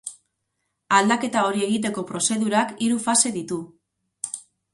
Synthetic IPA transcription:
ald̪ake̞t̪ao̞ɾie̞ɣit̪̬e̞ko̞pɾo̞se̞ðuɾakiɾufase̞ðit̪u

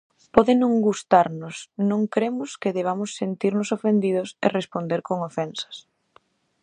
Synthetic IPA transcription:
pɔðɪnõŋɡust̪aɾnʊsnõŋkɾemʊskeðeβ̞amʊsːent̪iɾnʊsofend̪iðʊsḛrespond̪eɾkoŋofɛnsɐ̥s

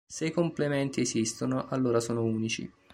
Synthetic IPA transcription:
seikomplemɛnt̪iezist̪onoʔalːoːɾasoːnouːnit͡ʃḭ

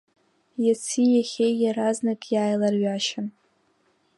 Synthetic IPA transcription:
jat͡sʰijaχʲejjaɾaznakʼjaːjlarɥaʃan

